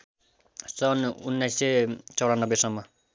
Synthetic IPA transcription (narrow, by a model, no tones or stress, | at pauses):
sʌnunːajset͡sʌwɽanːʌbːesʌmːʌ